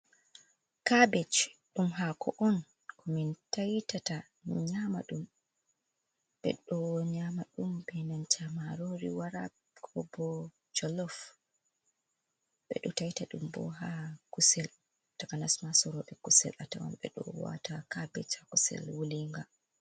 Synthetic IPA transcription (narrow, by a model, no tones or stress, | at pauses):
kabɛt͡ʃɗumɦakʰɔʔɔn | kʰɔmintajtata | ɲama̰ɗum | ɓ̥ɛ̰ɗɔɲamaɗumbɛnantʰamaɾoɾḭwaɾa | kʰɔbɔ | d͡ʒɔlɔf | ɓɛ̰ɗɔtajtaɗumbɔ̰ɦakusɛl | takanasmasɔɾɔɓɛkusɛ̰latawɔ̰nɓɛ̰ɗɔ̰wa̰takabɛt͡ʃhakusɛ̰lwoliŋɡa